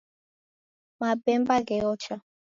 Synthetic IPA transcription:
mabɛmbaɡɛɔt͡ʃa

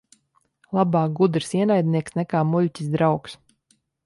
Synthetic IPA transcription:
lˠabaːɡud̪ɾsiɛnajd̪niɛksnɛkaːmulʲcʲi̥sd̪ɾawks

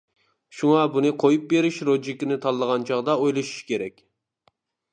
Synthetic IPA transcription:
ʃuŋɑbunɨqʰojup̚beɾɪʃɾod͡ʒikʲɪnɪt̪ʰɑlˠːəʁɑnt͡ʃʰɑʁd̪ɑojlˠɨʃu̥ʃkʲʰeɾɛkʲ

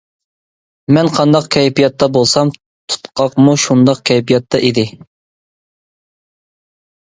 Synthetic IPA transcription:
mɛnqʰɑnd̪ɑqkʲʰɛjpijɑt̪ːɑbolˠsɑm | t̪ʰu̥t̪qʰɑqmuʃund̪ɑqkʲʰɛjpʰijɑt̪ʰːɑʔid̪ɪ

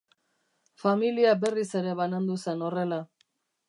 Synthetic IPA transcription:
familiabe̞rise̞ɾe̞βanand̪use̞no̞re̞la

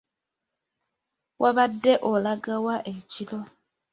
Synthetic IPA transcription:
wʔaβadːe̞ʔolaɡawaʔecilo̞

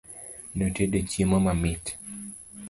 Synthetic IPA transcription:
notedet͡ʃimomamɪt

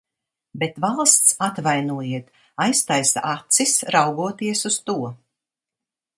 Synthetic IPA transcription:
bet̪valˠst̪sat̪vajnuɔjiɛt̪ | ajst̪ajst̪at̪sisɾawɡuɔt̪iɛsust̪uɔ

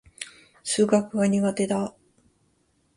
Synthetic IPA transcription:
sɨːɡakɯ̟ɡaɲ̟iɡat̪e̞d̪a

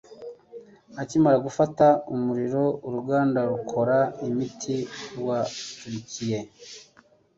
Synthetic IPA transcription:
acimaɾaɡufataumuɾiɾo̞uɾuɡaːndaɾukʰo̞ɾaimitʰiwatuɾicije̞

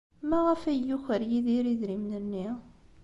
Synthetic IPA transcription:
mæʁəfæjːuçəɾjiðiɾiðɾimnənːi

